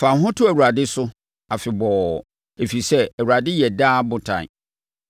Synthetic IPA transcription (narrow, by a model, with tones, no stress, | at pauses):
fã˨ɦʊ̃˦tʰʊ˦æ˨wu˨ɾa˨dɪ˦sʊ˦ | a˨fɪ˨bɔ˨ | e˨fi˨sɛ˦æ˨wu˨ɾa˨dɪ˦jɛ˨daː˦bʊ̃˦tʰã̰˨